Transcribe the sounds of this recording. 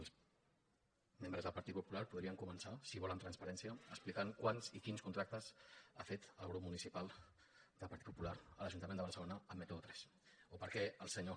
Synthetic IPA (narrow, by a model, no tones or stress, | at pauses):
lˠs | membɾəzðəlˠpɐɾt̪it̪pupulaɾpuðɾiəŋkumənsasiβɔlənt̪ɾənspəɾɛnsiəːsplikaŋkwanzikinskunt̪ɾak̚t̪əzafet̪əlˠɣ̞ɾupmunisipalˠ | d̪əlˠpɐɾt̪it̪pu̥pulaɾələʒunt̪əmend̪əβəɾsəlonəːmːet̪ot̪ɾɛs | opəɾkɛəlˠsəɲo